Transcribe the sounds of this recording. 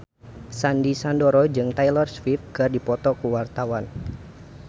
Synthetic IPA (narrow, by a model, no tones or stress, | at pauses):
sandisandoɾɔd͡ʒɨŋt̪ajlɔrswifɡərdipɔt̪ɔkəwart̪awan